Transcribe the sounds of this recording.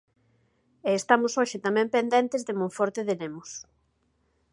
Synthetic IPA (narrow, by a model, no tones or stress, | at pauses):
eːst̪amʊsoʃɪt̪amɛ̃mpend̪ɛnt̪ɪzðemõɱfɔɾt̪eðenemʊs